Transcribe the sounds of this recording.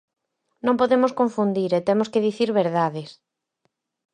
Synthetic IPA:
nõŋpoðemoskoɱfund̪iɾet̪emoskeðiθiɾβeɾðaðɪs

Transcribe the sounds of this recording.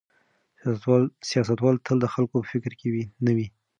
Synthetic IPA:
sijɑsat̪wɑlt̪ʰəld̪əxalkopəfɪkɾkewinəwi

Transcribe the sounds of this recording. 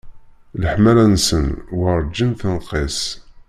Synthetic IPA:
ləħmælænsənwəɾˤd͡ʒːənθənqes

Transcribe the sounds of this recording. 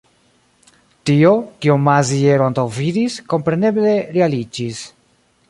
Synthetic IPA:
tio̞kiomazie̞ɾoantawvidisko̞mpɾe̞ne̞ble̞ɾealid͡ʒis

